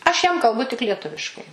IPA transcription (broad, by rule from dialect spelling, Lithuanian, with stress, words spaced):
ˈɐʃ jɛm kɐlˠˈbʊ tʲɪk lʲiɛˈtʊʋʲɪʃkɐɪ